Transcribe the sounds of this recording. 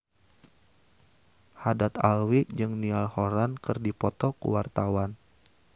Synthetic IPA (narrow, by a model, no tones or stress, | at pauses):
hadat̪alwid͡ʒɨŋnialhoɾankɨrdipɔt̪ɔkṵwart̪awan